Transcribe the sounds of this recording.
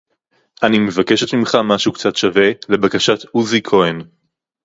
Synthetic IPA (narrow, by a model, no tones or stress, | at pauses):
ʔanime̞vake̞ʃe̞tmimχamaʃukt͡satʃave̞le̞bakaʃat̪uzikʰo̞en